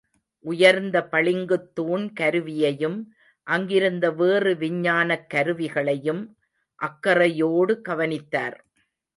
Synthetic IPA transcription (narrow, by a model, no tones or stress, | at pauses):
ʔʊjɐɾnd̪ɐpɐɭɪŋɡɯt̪ːuːnkɐɾɯʋɪjɐjɯm | ʔɐŋɡɪɾɯnd̪ɐʋeːrɯʋɪɲːaːnɐkːɐɾɯʋɪɣɐɭɐjɯm | ʔɐkːɐrɐjoːɽɯɡɐʋɐnɪt̪ːa̰ːɾ